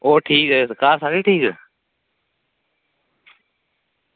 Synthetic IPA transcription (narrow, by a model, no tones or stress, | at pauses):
oːʈʰiːkɛkaːsaːɡeːʈʰiːkɛ